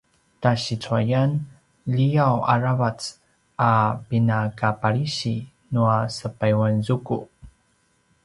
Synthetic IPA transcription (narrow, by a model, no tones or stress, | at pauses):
taɕit͡suajan | ʎijawa̰ɾavat͡s | apinakapaɾiɕi | nuasəpajwanzuku